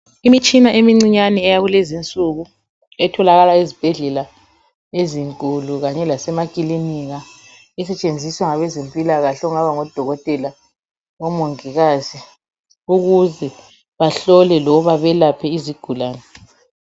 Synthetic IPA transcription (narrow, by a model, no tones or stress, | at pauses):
imit͡ʃʼinaʔemiŋ͡ǀiɲanɛɛjaɣulɛzint͡sʼuːɣu | ɛtʰɔlaɣalaizib̥ʱɛɮɛla | eziŋkʼuluɣaɲɛlasɛmakʼiliniɣa | ɛsɛt͡ʃʼend͡zʱiswaŋaβɛzempʼilaɣaɬɛuŋaβaŋɔd̥ʱɔɣɔtʼɛla | ɔmoŋiɣaːzi | uɣuzɛ | βaɬɔlɛlɔβaβɛlapʰɛiziɡ̥ʱulaːnɛ